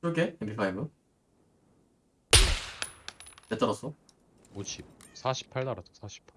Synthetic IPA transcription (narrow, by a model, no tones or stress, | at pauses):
okeembʰipʰajbɯ | et͈ʌɾʌs͈o | oɕʰip̚sʰaɕʰi̥pʰːaɭt͈aɾasʰo̥sʰaɕʰi̥pʰa